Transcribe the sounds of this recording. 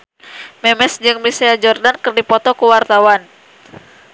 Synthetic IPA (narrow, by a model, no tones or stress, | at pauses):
mɛmɛsd͡ʒɨŋmisead͡ʒɔrdankɨrdipɔt̪ɔkuwart̪awan